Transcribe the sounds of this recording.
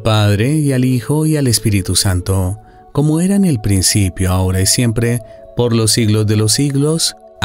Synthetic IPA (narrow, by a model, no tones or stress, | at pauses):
paðɾeialixo̞iale̞spiɾit̪usant̪o | ko̞moe̞ɾaene̞lpɾinsipjoao̞ɾaisje̞mpɾe | po̞ɾlo̞siɣlozðe̞los̬iɣlo̞s